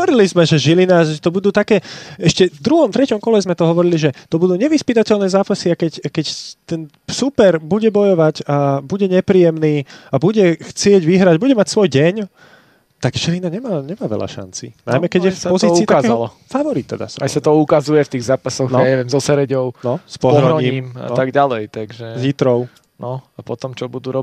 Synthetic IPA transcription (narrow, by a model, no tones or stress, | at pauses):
ɦɔʋɔɾilizmɛʒɛʒilinaʒɛt̪ɔbud̪uːt̪akɛːɛʃcɛvd̪ɾuɦɔmt̪ɾɛcɔmkɔlɛzmɛt̪ɔɦɔʋɔɾiliʒɛt̪ɔbud̪uːɲɛʋispit̪acɛlnɛːzaːpasiakɛcakɛct̪ɛn | supɛɾbuɟɛbɔjɔʋaɟabuɟɛɲɛpɾiːjɛmniːabuɟɛxt͡sɪɛɟʋiɦɾaɟbuɟɛmacsʋɔjɟɛɲ | t̪akʃɛlinaɲɛmaːɲɛmaːʋɛ̰ʎa̰ʃa̰nt͡sḭna̰jmɛkɛɟjɛfpɔziːt͡siːtk̪aazɛalɔ | faʋɔɾit̪ːɛ̰d̪a̰sajsat̪ɔukazujɛft̪iːɣzaːpasɔɣnɔaaɲɛʋɛmzɔsɛɾɛɟɔʊnɔspɔɾɔɾɔɲiːmiːma̰t̪aɡɟalɛjt̪aɡʒɛzit̪ɾɔʊ | nɔapɔt̪ɔmt͡ʃɔbud̪uɾɔ